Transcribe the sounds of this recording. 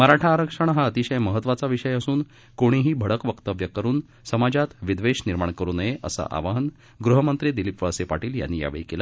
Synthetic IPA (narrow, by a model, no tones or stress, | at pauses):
məɾaʈʰaːɾəkʂəɳ̃ɦaət̪iɕəjməɦət̪ːʋat͡saʋiʂəjəsuːn | koɽ̃iɦiːbʱəɽəkʋəkt̪əʋjəkəɾuːn | səmad͡ʑat̪ʋid̪ʋeɕniɾmaɳkəɾuːnəjeʔə̰sa̰ʔa̰ʋaɦən | ɡɾuɦəmənt̪ɾiːd̪ilipʋəəsepa̰ʈiːlja̰nːija̰ʋḛɭikela